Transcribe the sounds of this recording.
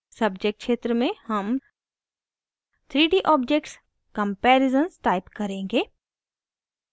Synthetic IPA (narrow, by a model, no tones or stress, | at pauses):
sɐbd͡ʒek̚ʈ̚kʃeːt̪ɾəmẽhɐm | t̪ʰɾiːɖiʔɔːb̚d͡ʒek̚ʈs | kɐ̃mpɛːɾɪzənsʈaːɪpkɐɾẽːŋɡeː